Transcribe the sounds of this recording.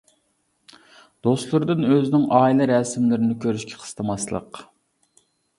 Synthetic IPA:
d̪̥ost̪lˠɾɨd̪ɨnøzɪnɪŋʔɑːilˠɨɾɛsmlɪɾɪnɪkʲʰøɾyʃkʲʰɛ̥qʰə̥st̪ʰɨmɑslˠə̰q

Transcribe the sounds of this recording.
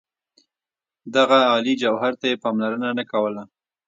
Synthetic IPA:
d̪aɣaɑlid͡ʒawɦaɾt̪ajepɑmlaɾənanakawəla

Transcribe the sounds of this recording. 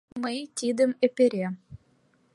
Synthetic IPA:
mɤjt̪ʲid̪ɘ̆mɘ̆pʲĕɾʲe

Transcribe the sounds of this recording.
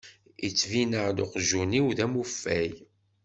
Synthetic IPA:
ḭt͡sːvinəʁd̪oqʒːuniwðæmufːæj

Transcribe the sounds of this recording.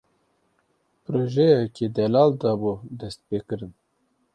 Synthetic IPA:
pɾoːʒɛjɛkʰed̪ɛlɑːld̪ɑːbud̪ɛst̪̚peːkɨɾɨn

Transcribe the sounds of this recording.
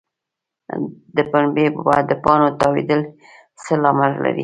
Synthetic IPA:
d̪əpaɳbebɑ̰jad̪ːəpɑnot̪ɑwḛd̪əl | səlɑmaɾla̰ɾḭ

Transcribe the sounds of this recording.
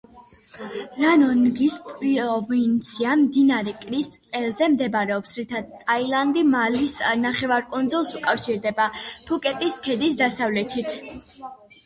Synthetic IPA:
ɾanɔnɡispʼɾiɔvint̪sʰiamd̪inaɾɛkʼɾisqʼɛlzɛmd̪ɛbaɾɛɔpsɾit̪ʰad̪̚t̪ʼailˠand̪imalisnaχɛvaɾkʼund̪zɔlˠsukʼafʃiɾd̪ɛbapʰukʼɛt̪ʼiskʰɛd̪isd̪asavlɛt̪ʰit̪ʰ

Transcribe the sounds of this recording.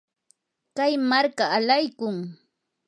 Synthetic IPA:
kajmaɾkaːlajkʊŋ

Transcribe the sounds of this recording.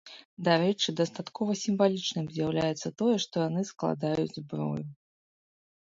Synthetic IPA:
d̪aɾɛt͡ʂɨd̪ɐst̪at̪kɔvɐsʲimvalʲit͡ʂnɨmzʲjawlʲajɛt̪sːɐt̪ɔjɛʂt̪ɔjanɨsklˠa̰d̪ajud͡zʲzbɾɔ̰ju

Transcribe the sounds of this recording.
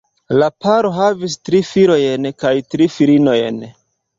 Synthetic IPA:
lapaɾo̞ɦavis̬tɾifiɾo̞jenkajtɾifiɾino̞jen

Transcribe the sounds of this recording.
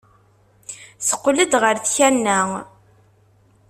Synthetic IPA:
sə̥qːləd̪ʁəɾθçænːæ

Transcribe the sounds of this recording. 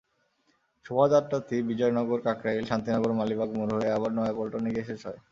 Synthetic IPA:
ʃʰobad͡ʑaɾot̪ʰibid͡ʑɔenɔɡoɾkakɾaelʃant̪inɔɡoɾmalibaɡmoɾɦoeaβaɾnɔapɔlʈoniɡeʃeʃɔ̰e

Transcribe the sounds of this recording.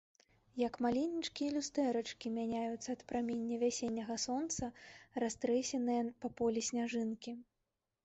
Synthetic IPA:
jɐkmalʲinʲːit͡ʂkʲijlʲust̪ɛɾɐt͡ʂkʲimʲanʲajut̪sːɐːt̪pɾamʲenʲːɐvʲasʲenʲːɐɣɐsɔnt̪sɐrast̪ɾɛsʲɛnɨjɐpɐpɔlʲisʲnʲaʐɨnkʲi

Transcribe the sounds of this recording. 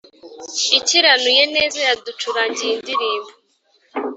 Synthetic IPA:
iciɾanujene̞ːzajadut͡ʃuɾaɲɟiindiɾiːmbo

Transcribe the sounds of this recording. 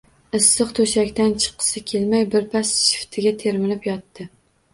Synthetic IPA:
ɪsːɨqt̪ʰɵʃakʲt̪ant͡ʃʰɨ̥qʰːɨ̥sɪkʲʰelmajbɪɾpʰasʃɪ̥ft̪ʰɪɡʲat̪ʰe̞ɾmɪlɪpjɒt̪ːɪ

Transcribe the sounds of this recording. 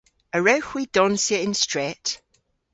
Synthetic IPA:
əɹawxwiːd̥ɔnsiəɪ̃nstɹ̥ɛt

